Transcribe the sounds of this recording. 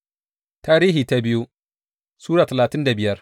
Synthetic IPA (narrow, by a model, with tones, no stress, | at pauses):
taː˦ɾiː˦ɦiː˨ta˦bɪ˦ju˦ | suː˦ɽaː˨tɐ˨laː˨tɪ˦nda˨bɪ˦jɐ˦r